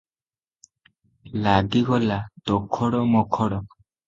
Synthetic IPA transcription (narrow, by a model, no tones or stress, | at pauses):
laɡiɡɔlat̪ɔkʰɔɽɔmɔkʰɔɽɔ